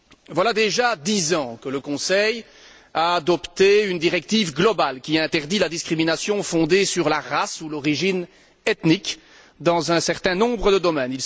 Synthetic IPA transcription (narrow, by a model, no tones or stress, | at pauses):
vwalad̪eʒad̪izɑ̃kələkɔ̃sɛj | aːd̪ɔpt̪eynd̪iʁɛk̚t̪ivɡlɔbalkʲiɛ̃t̪ɛʁd̪ilad̪iskχiminasjɔ̃fɔ̃d̪esyʁlaʁasulɔʁiʒin | ɛt̪nik | d̪ɑ̃zɛ̃sɛʁt̪ɛ̃nɔ̃bʁəd̪əd̪ɔmɛnil